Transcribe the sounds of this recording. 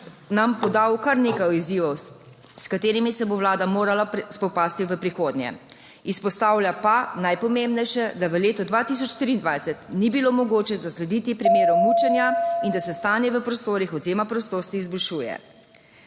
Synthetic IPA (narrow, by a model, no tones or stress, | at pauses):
nampɔd̪awkaɾneːkajiziʋɔw | skat̪eːɾimisɛboʋlaːd̪amoːɾalaspɔpaːst̪iʋəpɾixoːd̪nʲjɛ̰ | ispɔst̪aːwljapanajpɔmembnɛjʃɛd̪aʋəleːt̪ɔd̪ʋat̪is̬ɔt͡ʃt̪ɾiːnd̪ʋajsɛt̪nibilomɔɡoːt͡ʃɛzaslɛd̪it̪ipɾimeːɾɔwmut͡ʃɛnjaind̪asɛst̪aːnjɛʋəpɾɔst̪oːɾixɔzeːmapɾɔst̪oːst̪iːzbɔlʃuːjɛ̰